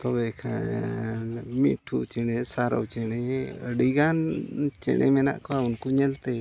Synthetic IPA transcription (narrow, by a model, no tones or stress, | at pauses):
t̪ɔbɛkʰa | nmiʈʰut͡ʃɛñɛsaɾa̰wt͡ʃɛɽ̃ɛəɖiɡant͡ʃɛ̰ɽʔɛmɛna̰ʔkawaunkuɲɛlt̪ɛ